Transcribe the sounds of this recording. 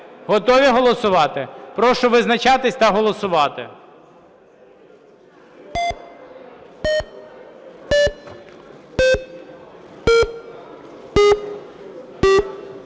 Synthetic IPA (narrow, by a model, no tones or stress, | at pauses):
ɦɔt̪ɔʋʲiɦɔlˠɔsʊʋɑt̪ɪpɾɔʃɔʋɪznɐt͡ʃɑt̪ɪsʲt̪ɐɦɔlˠɔsʊʋɑt̪ɪ